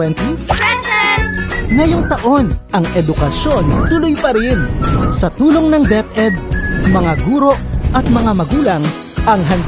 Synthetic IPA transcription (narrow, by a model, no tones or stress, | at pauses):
ɛnt̪ | ŋɐjoŋt̪ɐʔo̞nʔɐŋɛd̪ʊkɐsjo̞nt̪ʊlʊjpɐɾɪnsɐt̪uːlo̞ŋnɐŋd̪ɛp̚ʔɛd̪̚mɐŋaɡuːɾo̞ʔʔɐt̪̚mɐŋamɐɡuːlɐŋ | ɐŋɦɐnd̪